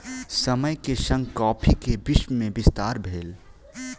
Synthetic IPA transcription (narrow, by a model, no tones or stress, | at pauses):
səməjkesɐ̃ŋɡkɔːpʰikebɪʃməmẽbɪst̪aːɾbʱeːl